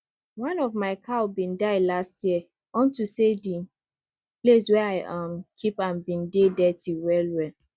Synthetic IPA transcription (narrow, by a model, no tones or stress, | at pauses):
wãnɔvmaɪkʰaʊbĩndaɪdlastjiɛ | ɔ̃ntusedĩ | ples̬wɛaɪʔãmkʰipãmbĩndedɛtiwɛlwɛ